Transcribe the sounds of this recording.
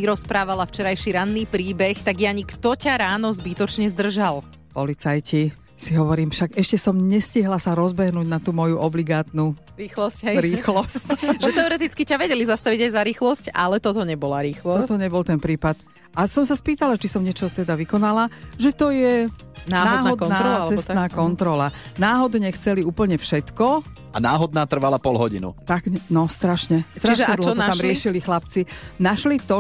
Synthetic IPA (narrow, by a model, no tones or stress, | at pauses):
iɾɔspɾaːʋalaft͡ʃɛɾajʃiɾanːiːpɾiːbɛxt̪aɡjaɲikt̪ɔcaɾaːnɔzbit̪ɔt͡ʃɲɛzd̪r̩ʒal | pɔlit͡sajci | siɦɔʋɔɾiːmfʃaɡɛʃcɛsɔmɲɛsciɦlasaɾɔzbɛɦnuːɟnat̪uːmɔjuʔɔbliɡaːt̪nu | ɾiːxlɔscɾiːxlɔscʒɛt̪ɛɔɾɛt̪it͡skicaʋɛɟɛlizast̪aʋiɟajzaɾiːxlɔsca̰lɛt̪ɔt̪ɔɲɛbɔlaɾiːxlɔɔt̪ɔɲɛbɔlt̪ɛnpɾiːpat̪ | asɔmsaspiːt̪alat͡ʃisɔmɲɪɛt͡ʃɔt̪ɛd̪aʋikɔnalaʒɛt̪ɔjɛ | nanːaɔdːɦ̪aɔd̪naːt͡sɛst̪naːkɔnt̪ɾɔlanaːɦɔd̪ɲɛxt͡sɛliuːpl̩ɲɛfʃɛt̪kɔ | ʔanaːɦɔd̪̚naːt̪r̩ʋalapɔlɦɔɟḭnṵt̪aɡnɔst̪ɾaʃɲɛst̪ɾt͡ʃiʃʒɲɛd̪lɦɔɔt̪amɾɪɛʃilixlapt͡sinaʃlit̪ɔ